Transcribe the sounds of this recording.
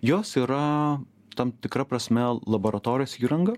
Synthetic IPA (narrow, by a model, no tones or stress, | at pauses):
joːsiːɾɐ | t̪ɐmt̪ʲɪkɾɐpɾɐsʲmʲɛlˠɐboɾɐt̪oːɾʲɪjoːsiːɾɐŋɡɐ